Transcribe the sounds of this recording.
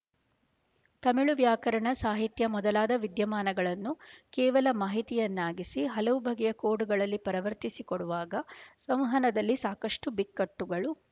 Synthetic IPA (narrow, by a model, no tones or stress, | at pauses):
t̪ɐmiɭuʋjaːkɐɾɐɳɐsaːɦit̪jɐmɔd̪ɐlaːd̪ɐʋid̪jɐmaːnɐɡɐɭɐnːukɛːʋɐlɐmaːɦit̪ijɐnːaːɡisiɦɐlɐʋubʱɐɡɛjɐkoːɽuɡɐɭɐlːipɐɾɐʋɐɾt̪isikoɽuʋaːɡɐsɐm̃ɦɐnɐd̪ɐlːisaːkɐʂʈubikːɐʈːuɡɐɭu